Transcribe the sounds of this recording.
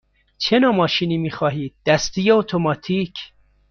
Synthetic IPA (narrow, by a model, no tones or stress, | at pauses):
t͡ʃʰe̞nɒːmɒːʃiːniːmiːxɒːɦiːd̪̚ːæst̪ijeot̪ʰomɒːt̪ʰiːcʰ